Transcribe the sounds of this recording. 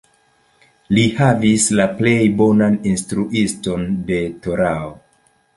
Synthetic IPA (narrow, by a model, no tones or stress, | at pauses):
lihavislaple̞jbo̞naninstɾuʔisto̞nde̞toɾao